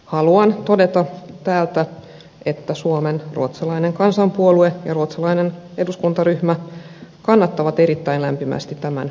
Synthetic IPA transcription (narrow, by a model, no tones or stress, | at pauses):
hɑluɑnt̪o̞de̞t̪ɑt̪æːlt̪æ | e̞t̪ːæsuomenrṵot̪sɑlɑine̞ŋkɑnsɑmpuolue̞jɑruot̪sɑlɑinen | e̞duskunt̪ɑryhmækɑnːɑt̪ːɑʋɑt̪e̞ɾit̪ːæinlæmpimæ̰st̪it̪t̪ːæmæn